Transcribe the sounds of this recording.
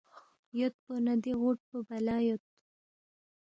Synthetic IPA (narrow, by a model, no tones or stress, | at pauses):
jot̪̚pənɐd̪iɣoʈ̚pəbɐlaːjot̪̚